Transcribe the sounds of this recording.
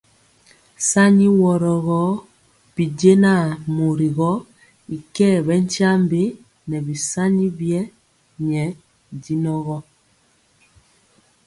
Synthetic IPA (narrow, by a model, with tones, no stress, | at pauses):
sa˦ɲi˦wɔ˨ɾɔ˨ɣɔ˦ | pi˨ɟe˦na˦˨mo˨ɾi˨ɣɔ˦ | i˨kɛː˦˨βɛ˦n˦t͡ʃa˦mbe˦ | nɛ˨bi˨sa˦ɲi˦bjɛ˦ | ɲɛ˨˦˨ | ɟi˦nɔ˦ɣɔ˦